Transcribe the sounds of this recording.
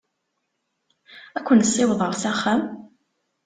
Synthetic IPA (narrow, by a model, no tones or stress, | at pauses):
ækʷːənsːɪwðˤəʁsæχæm